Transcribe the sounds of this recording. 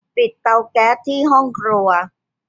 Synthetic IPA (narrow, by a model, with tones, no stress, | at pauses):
pi˨˩t̪̚ːa˧wkɛː˦˥t̪ʰːiː˥˩ɦɔ˥˩ŋkʰɾu˧ɐ